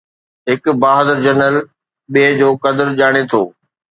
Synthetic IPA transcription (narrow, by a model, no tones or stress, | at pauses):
ɦɪkbaːɦəd̪əɾd͡ʑɐnəl | ɓeːd͡ʑoːkɐd̪əɾʄaːɽ̃et̪ʰo̰ː